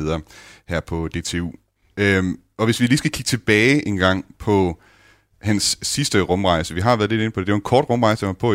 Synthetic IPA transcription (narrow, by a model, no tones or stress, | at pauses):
ðˠɐhæɐ̰pʰɒ̽d̥e̝̰ːt͡sʰe̝ṵː | øm | ɒ̽ʋe̝sʋiliːsɡ̥ækʰiɡ̥ət͡sʰe̝b̥ɛːɪʔe̝nɡ̥ɑ̈ŋ̰pʰɒ̽ | hænsːisd̥əʁɔ̽mʁɑ̈ɪsəʋiɦɑ̈ʋæːɐðˠle̝d̥e̝nəpʰɒ̽dedeʋenkʰɒ̰ːd̥ʁɔ̽mʁɑ̈ɪsəmɑpʰɒ̽